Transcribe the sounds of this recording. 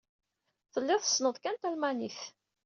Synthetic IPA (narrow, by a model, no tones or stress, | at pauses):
θəlːɪðˤəsːnəðˤkænt̪ælmæniθ